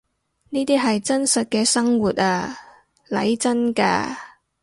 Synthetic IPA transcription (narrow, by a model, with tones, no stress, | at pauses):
niː˥t̪iː˥ɦɐ˨jt͡sɐ˥nsɐ˨t̚kɛː˧sɐ˥ŋwuː˨t̚aː˧ | lɐ̰˨˥jt͡sɐ˥nka̰ː˧